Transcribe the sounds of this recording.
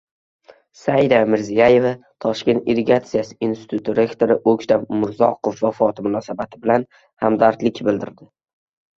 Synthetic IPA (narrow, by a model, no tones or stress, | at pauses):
sajd̪amɪɾzijaje̞vat̪ʰɒʃkʲe̞nt̪iɾeɡʲat̪sɨjasɪ̥inst̪ɪ̥t̪ʰut̪ːiɾe̞kt̪ʰoɾɪʔokʲʃt̪amʊɾzɒ̰qʰofvafɒt̪mʊnɒsabat̪ʰɪbɪlan | hamd̪aɾt̪lɪkʲbɪld̪ɪ̰ɾd̪ɪ